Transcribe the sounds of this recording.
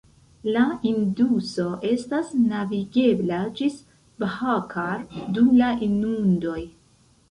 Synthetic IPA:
lainduso̞ʔe̞stasnaviɡe̞blad͡ʒis | bhakʰaɾdumlaʔinundo̞j

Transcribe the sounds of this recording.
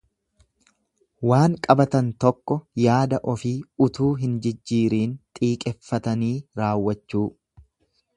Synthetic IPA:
waːŋkʼɐbɐt̪ɐnt̪ɔkːɔjaːd̪ɐʔɔfiːʊt̪uːɦɪnd͡ʒɪd͡ʒːiːɾiːnt̪ʼiːkʼɛfːɐt̪ɐniːɾaːwːɐt͡ʃːuː

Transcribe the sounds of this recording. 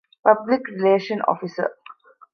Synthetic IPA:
pɐblɪkɾileːʃə̃nɔ̰ːfisə̰ɾ

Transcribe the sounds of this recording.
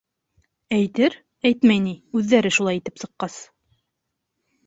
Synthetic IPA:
æjt̪ɘɾ | æjt̪mæjniʉðːæɾɘʃulˠɑjit̪ɘpsɤ̆qːɑs

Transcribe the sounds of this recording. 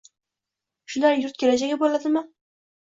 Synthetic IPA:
ʃʊlaɾjʊɾt̪̚kʲelad͡ʒaɡʲabolad̪ɪmɪ

